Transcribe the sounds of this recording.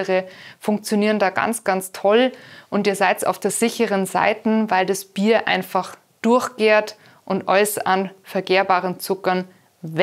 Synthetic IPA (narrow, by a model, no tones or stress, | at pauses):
əʁəfʊŋk̚t͡sjoniːʁəndaːɡa̰nt͡sɡ̥ant͡stʰɔlʔʊntiːɐzaɪtsa̰ʊfd̥eːɐzɪçəʁənza̰ɪtn̩vaɪldasb̥iːɐʔa̰ɪnfaχ | d̥ʊɐçɡeːɐt | ʔʊntʔɔʏsɐʔanfɛɐɡeːɐbaːʁənt͡sʊkɐn | v